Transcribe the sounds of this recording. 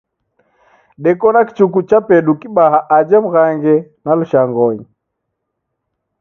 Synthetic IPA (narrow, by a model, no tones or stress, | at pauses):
ɗɛkɔnaki̥t͡ʃukut͡ʃapɛɗukiɓaɦaʔad͡ʒɛm̩ɣaŋɡɛ | naluʃaŋɡɔɲi